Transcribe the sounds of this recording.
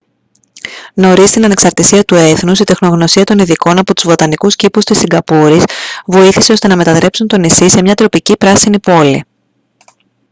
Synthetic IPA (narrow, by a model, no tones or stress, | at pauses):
no̞ɾist̪inɐne̞ksɐɾt̪isiɐt̪ue̞θnusit̪e̞xno̞ɣno̞siɐt̪o̞niðiko̞nɐpo̞t̪uzvo̞t̪ɐnikuscipust̪isːiɡɐpuɾisvo̞iθiseost̪e̞nɐme̞t̪ɐðɾe̞psunt̪o̞nisise̞mɲɐt̪ɾo̞picipɾɐsinipo̞lḭ